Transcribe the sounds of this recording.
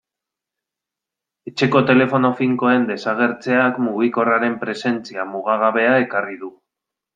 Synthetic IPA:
e̞t͡ʃe̞ko̞t̪e̞le̞fo̞no̞fiŋko̞e̞nd̪e̞saɣe̞ɾt͡se̞akmuɣiko̞raɾe̞mpɾe̞se̞nt͡siamuɣaɣ̞aβe̞ae̞kariðu

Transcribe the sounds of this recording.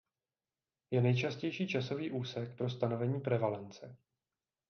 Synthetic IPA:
jɛnɛjt͡ʃascɛjʃiːt͡ʃaso̞viːʔuːsɛk̚pɾo̞st̪ano̞vɛɲiːpɾɛvalɛnt͡sɛ

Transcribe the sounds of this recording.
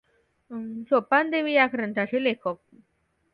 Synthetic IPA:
sopand̪eʋijakɾənt̪ʰaɕelekʰək̚

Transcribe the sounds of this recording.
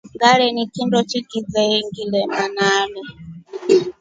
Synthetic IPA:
ŋɡaɺɛnikʰindɔt͡ʃikid͡zaiŋɡilɛmanaːlɔ

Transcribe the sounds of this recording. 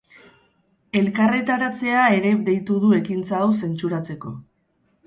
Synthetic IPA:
e̞lkare̞t̪aɾat͡se̞ae̞ɾe̞d̪e̞jt̪uðue̞kint͡saːwse̞nt͡suɾat͡se̞ko̞

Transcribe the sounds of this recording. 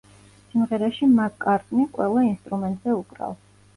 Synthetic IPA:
simʁɛɾaʃimatkʼaɾt̪ʼniqʼwɛ̰lˠainst̪ʼɾumɛnt̪ʼz̥ɛukʼɾa̰l

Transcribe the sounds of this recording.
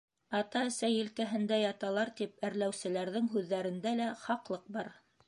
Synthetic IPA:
ɑt̪ɑɘ̆sæjɘ̆lkæɦɘ̆nd̪æjɑt̪ɑlˠɑɾt̪ipæɾlæwsɘ̆læɾðɘŋɦʉðːæɾɘ̆nd̪ælæχɑqlˠɤq̚bɑɾ

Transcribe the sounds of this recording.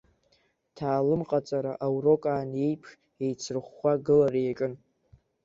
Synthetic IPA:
tʰaːlɨmqʼat͡sʼaɾaʔawro̞kʼaːne̞jpʰʂ | e̞jt͡sʰɨrχːʷaɡɨlaɾajakʼɨn

